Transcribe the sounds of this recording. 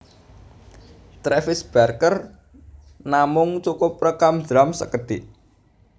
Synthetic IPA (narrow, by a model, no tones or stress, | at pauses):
t̪ɾefɪsb̥arkər | namʊŋt͡ʃukʊprəkamd̪ɾamsə̰kəd̪̥iʔ